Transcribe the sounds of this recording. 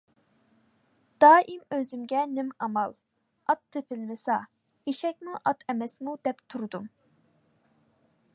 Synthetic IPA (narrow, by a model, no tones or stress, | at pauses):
d̪̥ɑːʔimøzymɡʲɛnɪmɑmɑlˠ | ɑt̪ʰːɨpʰɪlmɪsɑ | eʃɛk̚ʲmuʔɑt̪ʰɛmɛsmud̪ɛpt̪ʰuɾd̪um